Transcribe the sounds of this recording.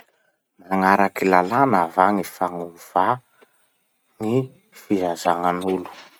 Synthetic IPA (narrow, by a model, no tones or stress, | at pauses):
maŋaɾakilalanavaŋifaŋuv̥a | ŋi | fiɦazaŋanulu̥